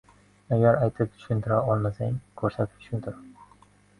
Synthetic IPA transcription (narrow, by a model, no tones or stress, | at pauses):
aɡʲaɾajt̪ʰɪp̚t̪ʰʊ̥ʃʊnt̪ʰɪɾaɒlˠmasaŋkʰɵɾsat̪ʰɪp̚t͡ʃʰʊ̥ʃʰʊnt̪ʰʊɾ